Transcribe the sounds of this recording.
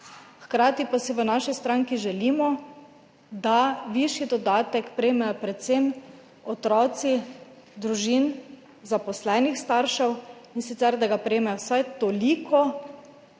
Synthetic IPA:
xkɾaːt̪ipasiʋənaːʃist̪ɾaŋkiʒɛlimɔ | d̪aʋiʃid̪ɔd̪aːt̪ɛkpɾɛjemɛjɔpɾɛt̪sem | ɔt̪ɾɔːt̪si | d̪ɾuʒin | zapɔslɛːnixst̪aɾʃɛwinsit̪sɛɾd̪aɡapɾɛemɛjɔwsajt̪ɔlikʰɔ

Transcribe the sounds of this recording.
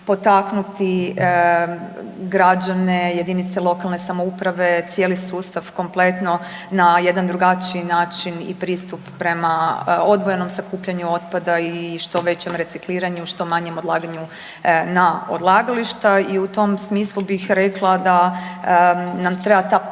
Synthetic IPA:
po̞t̪aknut̪i | ɡɾad͡ʑaneje̞d̪init̪selˠo̞kalˠne̞samoupɾaʋe̞t̪sjeːlisuːst̪aʋko̞mple̞t̪no̞ | naje̞d̪and̪ɾuɡat͡ʃiːnaːt͡ʃinḭpɾiːst̪upːɾe̞mao̞d̪ʋojeno̞msakuːpʎaɲuo̞t̪pad̪aiʃt̪o̞ʋe̞t͡ɕe̞mɾe̞t̪sikliːɾaɲuʃt̪o̞maɲe̞mod̪lˠaːɡaɲu | nao̞̰d̪lˠaːɡaliʃt̪aiut̪o̞msmiːslˠubixɾe̞klˠad̪a | namt̪ɾebat̪a

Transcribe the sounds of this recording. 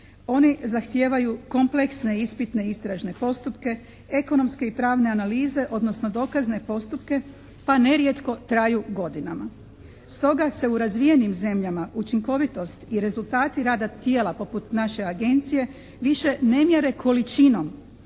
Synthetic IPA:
o̞nizaxt̪jeːʋajuko̞mple̞ksne̞ispit̪ne̞ist̪ɾaʒne̞po̞st̪upke̞ | e̞ko̞no̞mske̞ipɾaːʋne̞analiːze̞ʔo̞d̪no̞sno̞d̪o̞ːkazne̞po̞st̪upke̞ | pane̞ɾjet̪ko̞t̪ɾajuɡo̞d̪inama | st̪o̞ɡase̞uɾazʋije̞nimze̞mʎamaʔut͡ʃiŋko̞ʋit̪o̞st̪iɾe̞zulˠt̪aːt̪iɾaːd̪at̪je̞ːlapo̞put̪naʃe̞aɡe̞nt̪sije̞ | ʋiʃe̞ne̞mje̞ɾe̞kʰo̞lit͡ʃino̞m

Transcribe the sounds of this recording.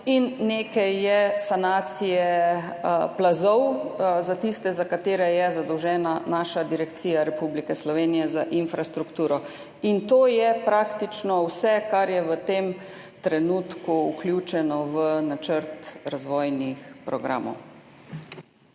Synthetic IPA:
inːekɛjːɛsanaːt̪sijɛ | plazɔwzat̪ist̪ɛzakat̪eːɾɛjɛzad̪ɔwʒɛːnanaːʃad̪iɾɛkt̪siːjaɾɛpublikɛslɔʋeːnijɛzaʔinfɾast̪ɾukt̪uːɾɔ | int̪oːjɛpɾaːkt̪it͡ʃnɔwsɛkaɾjɛʋət̪em | t̪ɾɛnuːt̪kuuklʲjut͡ʃɛnɔʋənat͡ʃəɾt̪ɾazʋɔːjnixpɾɔɡɾa̰ːmɔ̰w

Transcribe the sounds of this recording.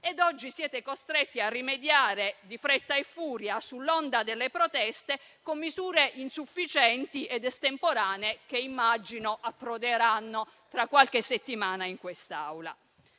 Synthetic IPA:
ed̪ɔd͡ʒːisjɛːt̪ekost̪ɾet̪ːiarːimed̪jaːɾed̪ifɾet̪ːaefːuːɾjasulːɔnd̪ad̪elːepɾot̪ɛst̪e | komːizuːɾeʔinsufːit͡ʃɛnt̪iɛd̪ɛst̪empoɾaːneekeimːad͡ʒːinoʔapːɾod̪eɾanːo | t̪ɾakːwalk̟esːet̪ːimaːnaiŋkwest̪awla̰

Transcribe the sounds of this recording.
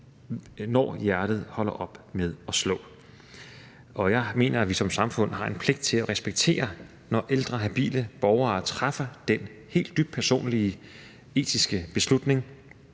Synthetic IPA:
nɒ̰ːjæɐd̥ð̞̩ˠhɒ̽l̰ɐʔɒ̽b̥með̞ˠɒ̽slɔ̰̽ː | ʔɒ̽jɑ̈ɪme̝̰ːnɐæʋisɒ̽msɑ̈mfɔ̽n̰hɑ̈ʔe̝npʰle̝ɡ̥d̥̚t͡sʰe̝læʁɛsb̥eɡ̥̚t͡sʰe̝̰ːɐ | nɒʔeld̥ʁɐɦæb̥ḭːləb̥ɒʊɐːt͡sʰʁafɐd̥en | he̝̰ːld̥ːyb̥̚pʰæɐso̝̰ːnliə | e̝̰ːd̥isɡ̥əb̥e̝slud̥ne̝ŋ

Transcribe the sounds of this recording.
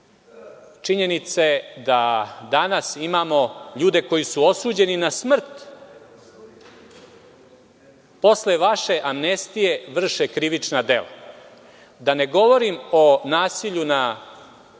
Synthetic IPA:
t͡ʂiɲe̞nit̪sed̪ad̪anasimaːmo̞ʎuːd̪e̞ko̞jisuo̞suːd͡ʑe̞ninasmr̩t̪ | po̞sle̞ʋaʃe̞ʔamnest̪ije̞ʋr̩ʃekɾiʋit͡ʂnad̪e̞̰la̰ | d̪ane̞ɡo̞ʋo̞ɾimo̞naːsiʎuna

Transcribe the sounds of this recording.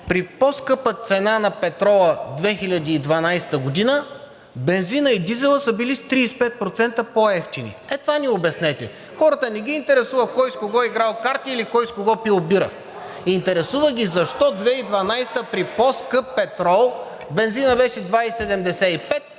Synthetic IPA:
pɾiposkɤpət̪sɛnanɐpɛt̪ɾɔlˠəd̪vɛxilʲɐd̪iːd̪vɐnajsɛ̥t̪əɡod̪inə | bɛnzinəid̪izɛlˠəsəbilist̪ɾiːspɛt̪̚pɾot̪sɛnt̪əpoɛft̪inḭɛt̪vaniobɛsnɛt̪ɛ | xɔɾət̪ənɛɡiːnt̪ɛɾɛsuvəkɔjskoɡɔiɡɾalˠkaɾt̪iːlikɔjskoɡɔpilˠbiɾə̰ | int̪ɛɾɛsuvəɡʲizɐʃt̪ɔd̪vɛid̪vɐnajst̪əpɾiposkɤpːɛt̪ɾɔlˠ | bɛnzinəbɛʃɛd̪vaisɛd̪ɛmd̪ɛsɛipɛt̪̚

